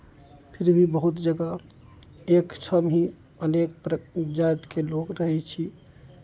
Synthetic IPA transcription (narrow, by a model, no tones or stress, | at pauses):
pʰiɾbʱibəɦut̪d͡ʒəɡa | ekt͡ʃʰəmɦĩ | ənek̚pɾəd͡ʒaɾt̪kelokɾəɦɛt͡ʃʰi